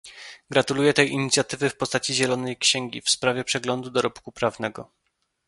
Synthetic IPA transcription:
ɡɾat̪ulujɛt̪ɛjiɲit̪sʲjat̪ɘvɘfpɔst̪at͡ɕiʑɛlɔnɛjkɕɛŋɡʲḭfspɾavʲɛpʂɛɡlɔnd̪ud̪ɔɾɔpkupɾavnɛɡɔ

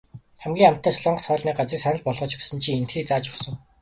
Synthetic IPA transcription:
χæmɡʲiːŋam̥t̪ʰːæːsɔɮɔːɴɢə̆sχœːɮniːk̚ɢat͡sriːksanə̆ɮpɔɮʁɞ̆ːt͡ɕɡesɘ̆nt͡ɕʰiːen̥t̪xiːk̚t͡saːt͡ɕɔsɞ̆ŋ

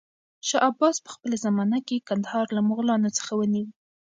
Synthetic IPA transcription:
ʃɑʔabɑspə̥xpəlazamɑnakekand̪ahɑɾlamʊɣlɑnot͡sə̥xawəniwi

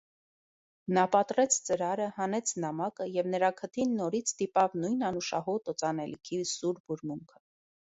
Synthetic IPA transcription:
nɑpɑt̪ɾɛt͡sʰt͡səɾɑɾəhɑnɛt͡sʰnɑmɑkəjɛvnəɾɑkʰət̪ʰinːɔɾit͡sʰt̪ipɑvnujnɑnuʃɑɦɔt̪ɔt͡sɑnɛlḭkʰisuɾbuɾmuŋkʰə̥

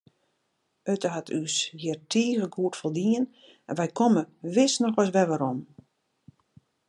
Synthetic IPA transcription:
øtəɦatʰysjɪrtʰiːɣəɡuətfolˠdiən | ɛnʋɛjkʰɔməʋɪsnɔxʋas̬ʋɛʋaɾom

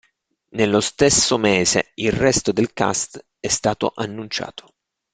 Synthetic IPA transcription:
nelːost̪esːomeːzḛilrɛst̪od̪elka̰st̪ | ɛst̪aːt̪o̰ʔanːunt͡ʃa̰ːt̪o̥

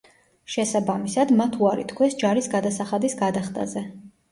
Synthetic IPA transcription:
ʃɛsabamisad̪mat̪ʰuaɾḭt̪ʰkʰwɛsd͡ʒaɾisɡad̪asaχad̪isɡad̪aχt̪ʼa̰zɛ

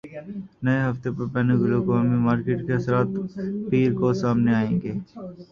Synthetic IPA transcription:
nɐeɦɐft̪epɐɾpɛneɡʊlokaːmimaːɾkeːʈkeɐsɾaːt̪piːɾkoːsaːmneaːẽːŋɡeː

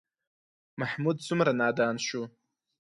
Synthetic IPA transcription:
maħmud̚sʷʰʊmranaːdaːnʃu

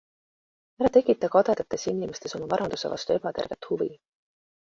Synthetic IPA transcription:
æɾɑt̪e̞kˑːit̪ːˑɑkɑd̪̥ed̪ɑt̪ːˑe̞sinimest̪e̞so̞mɑvɑɾɑnd̪usevɑ̰st̪ue̞bɑt̪e̞rve̞t̪ːˑhuvḭ

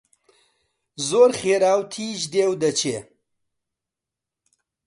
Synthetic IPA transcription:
zoːɾχeːɾaːwt̪ʰiːʒd̪eːwd̪ɐt͡ʃʰeː

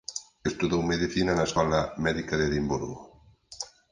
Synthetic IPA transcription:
est̪uðowmeðiθinɐnaskɔlamɛðikaðeðimbuɾɣo

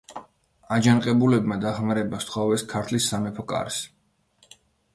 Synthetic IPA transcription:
ad͡ʒanqʼɛbulɛbmad̪aχmaɾɛbast̪ʰχɔvɛskʰaɾt̪ʰlisːamɛpʰɔkʼa̰ɾs

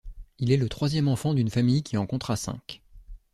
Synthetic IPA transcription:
ilɛlət̪χwazjɛmɑ̃fɑ̃d̪ynfamijkʲiɑ̃kɔ̃t̪χasɛ̰̃k

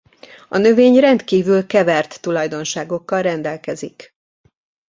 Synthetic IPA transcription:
ɒnø̞veːɲrɛnt̪kiːvylkɛvɛrt̪ːulɒjd̪o̞nʃaːɡo̞kːɒlrɛnd̪ɛlkɛzik

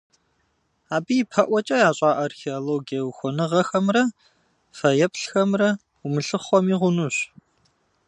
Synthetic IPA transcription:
aːbijipʰɐʔʷɔt͡ʃʼɐjaːɕʼaːʔarxeoloɡiɐwxʷɔnɨʁɐxɐmrɐ | fɐjɛpɬxɐmrɐ | umɨɬɨχʷɔmiːʁʷʊnuːɕ

